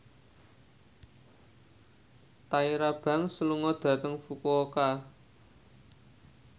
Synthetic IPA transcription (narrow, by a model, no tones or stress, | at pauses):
t̪aiɾab̥a̤ŋsəluŋɔd̪̥ä̤t̪əŋfukuoka